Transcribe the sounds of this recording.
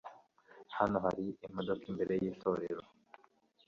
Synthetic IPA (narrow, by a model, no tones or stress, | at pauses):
hano̞ɦaɾiimodo̞kimbe̞ɾe̞jiːto̞ɾe̞ɾo